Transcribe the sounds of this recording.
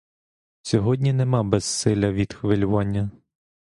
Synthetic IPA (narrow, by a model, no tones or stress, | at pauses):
sʲɔɦɔdʲnʲinemɑbɛz̥sɪlʲɐʋʲid̪xʋelʲʊʋɑnʲːɐ